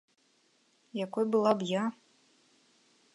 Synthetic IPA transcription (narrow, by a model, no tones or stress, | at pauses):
jakɔjbɨlˠabja